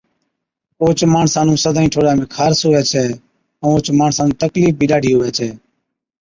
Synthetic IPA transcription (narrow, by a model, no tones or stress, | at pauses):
oːt͡ʃmaːɳsaːnũːsəd̪ʱaːĩːʈʰoːɽãːmẽːkʰaːɾsʊʋɛːt͡ʃʰɛː | ə̃ːoːt͡ʃmaːɳsaːnũːt̪əkliːfbʱiːɗaːɽʱiːɦʊʋɛːt͡ʃʰɛː